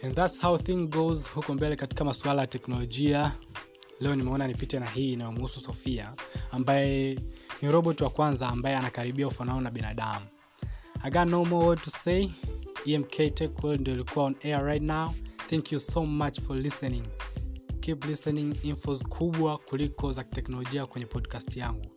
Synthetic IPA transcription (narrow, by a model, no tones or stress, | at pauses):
ɛnðatshawθĩŋɡozhukɔmbɛlɛkati̥kamaswalajatɛknɔlɔʄia | lɛɔnimɛɔnanipitɛnaɦiːnajɔmhususɔfiaːmbajɛniɾɔɓɔtwakwanzaːmbajɛanakaɾiɓiaufanaɔnaɓinaɗamu | aɡanomɔwɔtuse | iɛmkʰɛtɛkwɛndiɔlikʰuaɔnɛaɹajtnawθɛ̃ŋkjusomat͡ʃfɔlisɛniŋ | kiplisɛniŋinfɔzkʰuɓwakulikɔzaki̥tɛknɔlɔʄiakwɛɲɛpʰɔdkastijaŋɡu